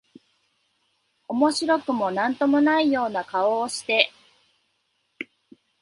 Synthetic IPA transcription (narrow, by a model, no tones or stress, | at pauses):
o̞mo̞ɕiɾo̞kɯ̟mo̞nãnt̪o̞mo̞naijo̞ːnakao̞ːɕi̥t̪e̞